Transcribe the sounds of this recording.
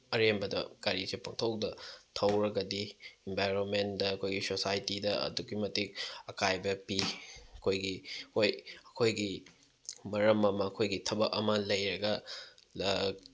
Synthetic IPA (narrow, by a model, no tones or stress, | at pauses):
ɐɾembɐdɐ̰kaɾisepʰaŋtʰok̚dɐtʰɐwɾɐɡɐdiembajɾonmendɐːkʰojɡisosajtidɐɐ̰duɡimɐtik̚ɐkajbɐpiɐkʰojɡihojɐkʰojɡi | mɐɾɐmɐmɐːkʰojɡitʰɐbɐkɐmɐlɐjɾɐɡɐl